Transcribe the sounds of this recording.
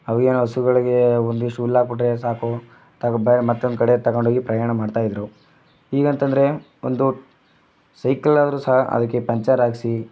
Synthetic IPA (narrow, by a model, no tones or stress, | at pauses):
ɐʋieːnuɐsuɡɐɭiɡe̞ond̪iʂʈuːlːaːɡ̚biʈɾesaːku | t̪ɐkbɐjɾemɐt̪ːond̪kɐɽe̞t̪ɐɡoɳɖʱoːɡipɾɐjaːɳɐmaːɖt̪aːjd̪ɾu | iːɡɐnt̪ɐnd̪ɐɾe̞ | o̰nd̪u | sɐjkɐlaːd̪ɐɾuːsɐɦaʔɐ̰d̪ɐkːepɐɲt͡ʃaɾaːɡsi